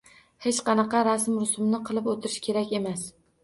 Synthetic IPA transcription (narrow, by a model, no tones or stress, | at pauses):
het͡ʃqɑnɑqɑɾasmɾʊsʊmnɪqʰɨlˠɪpot̪ʰɪɾɪʃkʲʰe̞ɾakʲe̞mas